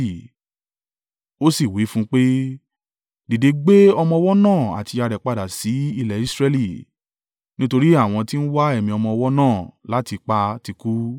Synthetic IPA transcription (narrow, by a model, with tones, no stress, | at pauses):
i˨ | o˦si˦˨wi˨˦fũ˦k͡pe˦ | di˨de˨˧ɡ͡be˦ɔ˧mɔ̃˧ɔ˧wɔ˦nãː˦˨a̰˨ti˧a˧ɾɛ˨k͡pa˧˨da˨si˨˦i˧lɛ˨i˨˦sɾɛ˧li˨ | nĩ˦to˧ɾi˦a˦˨w̃ɔ̃˧ti˦n̩˦wa˦ɛ˦˨mĩ˧ɔ˧mɔ̃˧ɔ˧wɔ˦nãː˦˨la˨˦ti˧k͡pa˧ti˧ku˦